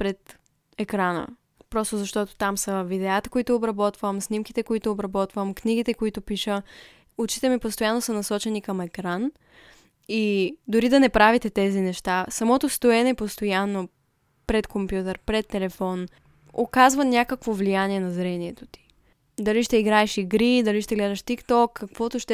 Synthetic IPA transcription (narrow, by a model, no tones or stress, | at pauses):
pɾɛt̪ | ɛkɾanə̰ | pɾɔst̪ʊzɐʃt̪ɔt̪o̥t̪amsəvid̪ɛat̪ɐ̥koit̪ʊːbɾɐbɔt̪vəmsnimkit̪ɛkoit̪ʊːbɾɐbɔt̪vəmkniɡ̟it̪ɛkoit̪ʊpiʃə | ʊt͡ʃit̪ɛmipost̪ojanːosənɐsɔt͡ʃɛnikɐmɛkɾan | id̪ʊɾid̪ɐnɛpɾavit̪ɛt̪ɛzinɛʃt̪asɐmɔt̪ost̪oɛnɛpost̪ojanːo | pɾɛt̪kompjut̪ɛɾpɾɛt̪ːɛlɛfɔn | okazvɐnʲakəkvovlijaniɛnɐzɾɛniɛt̪o̥t̪i̥ | d̪ɐliʃt̪ɛiɡɾaɛʃiɡɾid̪ɐliʃt̪ɛɡlɛd̪ɐʃt̪ikt̪ɔkːɐkvɔt̪oʃt̪ɛ